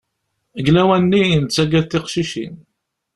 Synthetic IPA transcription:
əɡlæwænːiənt͡sːæɡæðθiqʃiʃḭn

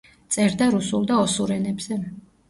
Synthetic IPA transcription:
t̪sʼɛɾd̪aɾusulˠd̪aɔsuɾɛnɛbz̥ɛ

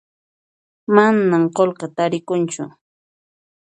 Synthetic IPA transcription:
manamqolqɑt̪aɾɪkʊnt͡ʃʊ̰

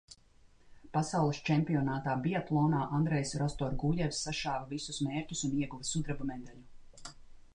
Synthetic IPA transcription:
pasawlˠist͡ʃɛmpiɔnaːt̪aːbiat̪lˠɔːnaːʔand̪ɾɛjsɾɔst̪ɔɾɡuʎʲɛvsːaʃaːvɐvisusmeːɾcʲusuniɛɡuvɐsud̪ɾabumɛd̪alʲu

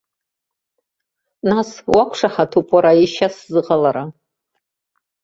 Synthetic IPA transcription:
naswakʷʰʂaħatʰupʼaɾaiʃaszɨqalaɾa

